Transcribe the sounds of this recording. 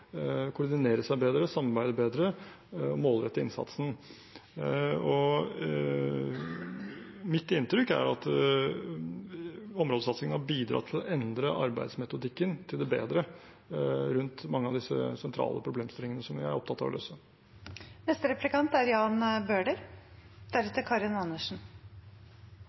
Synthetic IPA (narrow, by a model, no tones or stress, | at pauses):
kʰʊɾd̪ɪneːɾəsæɪbeːd̪ɾəsɑmːɑɾbæɪd̪əbeːd̪ɾə | ɔmoːlˠɾɛt̪ːəɪnsɑ̰t̪sn̩ | ɔ | mɪt̪ɪnt̪ɾʏkːæ̰ɾɑt̪ | ɔmɾoːd̪əsɑt̪sɪŋənhɑɾbiːd̪ɾɑ̰t̪ʰɪlɔʔɛnd̪ɾəʔɑɾbæɪd̪smɛt̪ʊd̪ɪkːənt̪ʰɪld̪ɛbeːd̪ɾə | ɾʉnt̪mɑŋːəɑʋd̪ɪsːə̰sɛnt̪ʰɾɑ̰ːlə̰pʰɾʊbleːmst̪ɪlɪŋənəsɔmjæɪæ̰ɾɔpt̪ʰɑt̪ʰːɑːʋɔlø̰ːsə | nɛst̪əɾɛplɪkɑnt̪æɾjɑːnbøːɖəɾd̪̥æɾɛt̪ːəkʰɑːɾɪnɑnːəʂn̩